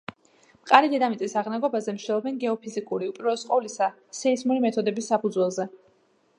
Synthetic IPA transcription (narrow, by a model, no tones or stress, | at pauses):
mqʼaɾid̪ɛd̪amit̪sʼisaʁnaɡɔbazɛmʃd͡ʒ̪ɛlˠɔbɛnɡɛɔpʰizikʼuɾiupʼiɾɔsqʼɔvlisa | sɛizmuɾimɛt̪ʰɔd̪ɛbisːapʰud̪zwɛlˠzɛ